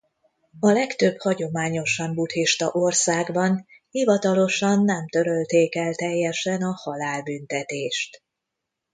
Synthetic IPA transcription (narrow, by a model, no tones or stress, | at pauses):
ɒlɛkt̪øb̥hɒɟo̞maːɲo̞ʃɒmbut̪hiʃt̪ɒʔorsaːɡbɒnhivɒt̪ɒlo̞ʃɒnːɛmt̪ø̞ɾø̞lt̪eːkɛlt̪ɛjːɛʃɛnɒhɒlaːlbynt̪ɛt̪eːʃt̪